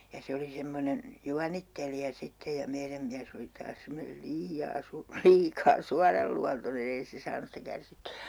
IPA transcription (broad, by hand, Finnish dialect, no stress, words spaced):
jɑ se oli semːonen juɑnitːelijɑ sitːe jɑ meiræm miæs oli tɑːs semːonel liːɑː su liːkɑː suɑrɑlːuɑntonen ei se sɑːnus sitæ kærsitːyæ